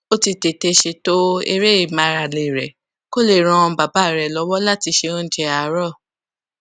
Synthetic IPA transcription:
o˦ti˧te˨te˧ʃe˧to˦ḛ˧ɾe˦i˦˨mã˨˧˦ɾa˨le˨ɾɛ˨ | ko˦˨le˨ɾ̃ɔ̃˧ba˨ba˦˨ɾɛ˨lɔ˨˧˦wɔ˦la˦˨ti˧ʃe˧õ˦n̩˦d͡ʒe˧a˨˦ɾɔ˦˨

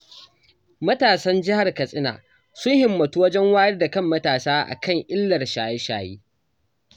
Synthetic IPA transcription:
mɐ˦taː˨sɐ˦nd͡ʒɪ˦ha˨rkɐ˨sʼɪ˦na̰ː˨ | sʊ˦ŋhɪ˨mːɐ˨tuː˦wɐ˦d͡ʒɛ˦ŋwaː˦jɐ˦rda˨kɐ˦˨mːɐ˦taː˨saː˦ʔa̰˨kɐ˦˨ŋʔɪ˦lːɐ˨rʃaː˨jɛ˦ʃa̰ː˨jiː˦

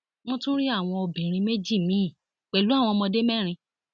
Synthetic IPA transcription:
w̃ɔ̃˦tũ˦ɾi˦a˦˨w̃ɔ̃˧o˧bĩ˨ɾ̃ĩ˧me˦d͡ʒi˦˨mĩ˨˦˨ | k͡pɛ˨lu˨˦a˦˨w̃ɔ̃˧mɔ̃˧de˦mɛ˦˨ɾ̃ĩ˧

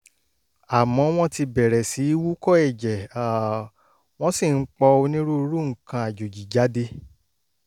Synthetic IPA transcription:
a˨mɔ̃˨˦w̃ɔ̃˦ti˧bɛ˨ɾɛ˨si˨˦wu˦kɔ˦ɛ˦˨d͡ʒɛ˨a˨ | w̃ɔ̃˦si˦˨n̩˦k͡pɔ˧o˧nĩ˦ɾu˦˧˦ɾu˦ŋ̩˨kã˧a˨d͡ʒo˨d͡ʒi˨d͡ʒa˨˦de˧

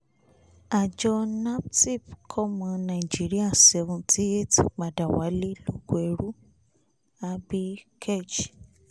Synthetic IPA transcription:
a˨d͡ʒɔ˧na˦pti˦˨pkʰɔ˦mã˧nã˨i˨d͡ʒi˦ɾi˦a˦˨sɛ˧vũ˧tʰi˦e˦˨tɡ͡ba˨da˨wa̰˨˦le˦lo˦˨ɡo˨˦ɛ˧˨ɾu˦ | a˧bi˦kʰe˦˨d͡ʒ

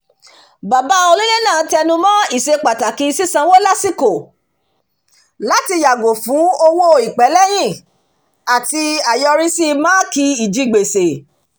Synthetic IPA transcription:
ba˨ba˨˦o˧lu˦le˦nãː˦˨˦tɛ˧nũ˧mã˦i˦˨se˧k͡pa˨ta˨kĩ˨˧si˦sã˧wo˦la˦si˦ko˨ | la˦ti˧ja˨ɡo˨fũ˨˦o˧wo˦i˨k͡pɛ˨˦lɛ˦j̃ĩ˦˨ | a˨ti˧a˨jɔ˧ɾi˦si˦mãː˦ki˧i˨d͡ʒi˨˧˦ɡ͡be˨se˨

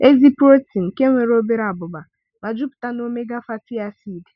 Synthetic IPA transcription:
e˦zi˦pɾo˦ti˨n̩˨ke˦ŋʷe˨ɾo˦be˦ɾa˨bʊ˨ba˨ | ma˨d͡ʒʊ˦pʊ̥˨ta˦no˦me˦ɡa˦fa˦tɪ˦a˦siː˦˨de̥˨

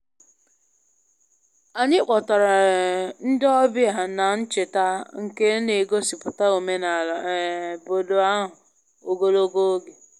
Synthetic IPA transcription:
a˨ɲɪ˦k͡pɔ˨ta˨ɾa˨n̩˦dɔ˦bɪ˦a˨na˨n̩˦t͡ʃɪ˨ta˦ŋ̩˨ke˦ne˨ɡo˦si˨pʊ˨ta˦o˨me˦na˨bo˨do˨a˦ɦʊ˨ | o˨ɡo˦lo˦ɡo˦o˦ɡe˨

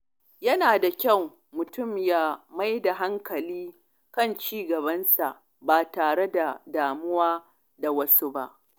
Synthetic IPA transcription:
jɐ˦naː˨da˨kʲɐ˦˨w | mʊ˨tʊ˦˨mja˦ma˦jda˨ɦa˦ŋkɐ˨liː˦ | kɐ˦˨nt͡ʃiː˦ɡɐ˨βɐ˦nsa˨ʔ | baː˨taː˨ɽe˦da˨daː˨mʊ˦waː˦ | da˨wɐ˦su˦ba˦ʔ

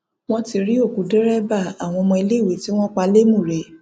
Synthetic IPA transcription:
w̃ɔ̃˦ti˧ɾi˦o˦˨ku˨˦dɛ˦ɾɛ˦ba˦˨a˨w̃ɔ̃˧mɔ̃˧i˧le˦˨we˨˦ti˦w̃ɔ̃˦k͡pa˧le˦mũ˦˨ɾɛ˨˦

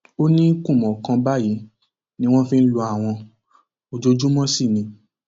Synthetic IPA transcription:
o˦nĩ˦kũ˦˨mɔ̃˨kã˧ba˦˨ji˨˦ | nĩ˦w̃ɔ̃˦fĩ˧n̩˦lu˧˦a˨w̃ɔ̃˧ | o˨d͡ʒo˧˦d͡ʒu˦mɔ̃˦si˦˨nĩ˧

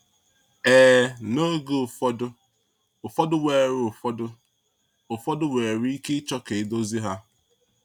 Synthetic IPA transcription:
eː˨no˦ɡo˨fɔ˦dʊ˦ | ʊ˨fɔ˦dʊ˦we˨ɾʊ˨fɔ˦dʊ˦ | ʊ˨fɔ˦dʊ˦we˨ɾi˦ke˦t͡ʃɔ˦ke˨˦do˦zi˦ɦa˦

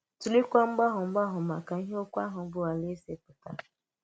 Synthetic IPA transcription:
tu˨li˦kʷa˦ŋ͡m̩˦ɡ͡ba˦ɦʊ˨ŋ͡m̩˦ɡ͡ba˦ɦʊ˨ma˨ka˨i˦ɦe˦o˦kʷa˦ɦʊ˨˦ɡ͡bʊ˦a˨le˦se˦pʊ˨ta̰˨

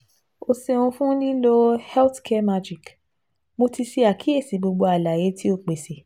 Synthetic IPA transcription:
o˧se˧ũ˧fũ˦nĩ˦lo˦hɛ˦tkʰɛ˦ma˧d͡ʒi˨k | mo˧ti˧si˧a˨ki˨˦e˦˨si˨˦ɡ͡bo˧ɡ͡bo˧a˨la˨je˨˧˦ti˦o˦˧˨k͡pe˨se˨

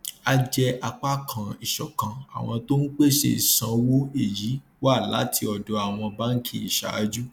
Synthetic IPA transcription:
a˧d͡ʒɛ˧ʔa˧k͡pa˦kʰã˨i˨ʃɔ˨kã˨a̰˨w̃ɔ̃˧to˦n̩˦k͡pe˦ʃḛ˦˨i˨sã˨˧wo˦e˦˨ji˨˦ | wa˦˨la̰˨˦tʰi˧ɔ˨dɔ˨˧a˨w̃ɔ̃˧ba˦ŋ̩˦kʰi˦˨i˨ʃa̰˨a̰˦d͡ʒu˦

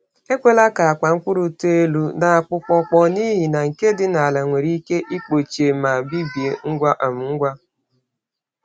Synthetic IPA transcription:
e˦kʷe˦la˦ka˨a˨ka˨ŋ̩˦kʷʊ˦ɾu˨tu˦e˦lu˦na˨a˨k͡pʊ˨k͡pɔ˨k͡pɔ˨ni˦ɦi˨na˨ŋ̩˨ke˦dɪ˦na˨a˨la˨ŋʷe˨ɾi˦ke˦ʔi˦k͡po˨t͡ʃe˨ma˨bi˦bi˨e˨ŋ̩˦ɡʷa˦ʔa˨m̩˨ŋ̩˦ɡʷa˦

